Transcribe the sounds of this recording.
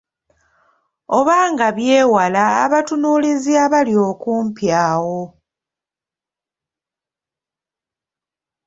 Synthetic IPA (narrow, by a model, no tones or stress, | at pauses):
o̞βaːŋɡaβjeːwala̰ːβatunuliziaβalio̞ːkuːmpjaːwo̞